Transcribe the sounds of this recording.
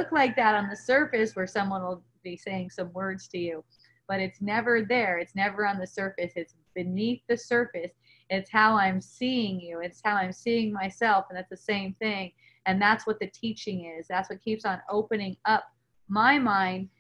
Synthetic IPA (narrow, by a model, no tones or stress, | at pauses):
lʊklaɪk̚ðɨɾn̩ðɨsɜ˞fɨswə˞sʌ̃mwʌ̃nwəlˠ | biseɪɪ̃ŋsʌ̃mwɜ˞dz̥tʰɨjʉ | b̥ʌɾɨtsnɛvə˞ðə˞ɨtsnɛvə˞ə̃nðɨsɜ˞fɨsɨtsb̥ɨniθðɨsɜ˞fɨs | ɪtshaʊãɪ̃msiɪ̃ŋjʉɨshaʊãɪ̃msiɪ̃ŋmaɪsɛlˠfə̃n̩ðætsðɨsẽɪ̃mθɪ̃ŋ | ɨ̃nðætswʌt̪̚ðɨtʰit͡ʃɪ̃ŋɪzðætswʌt̚kʰipsn̩oʊpɨnɪ̃ŋʌp̚ | maɪmãɪ̃nd̥